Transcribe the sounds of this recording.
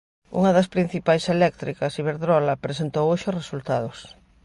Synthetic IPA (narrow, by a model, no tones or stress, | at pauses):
ṵŋɐðɐspɾin̟θipajselɛk̚t̪ɾikɐsiβeɾðɾɔlɐpɾesent̪owoʃʊsresult̪aðʊs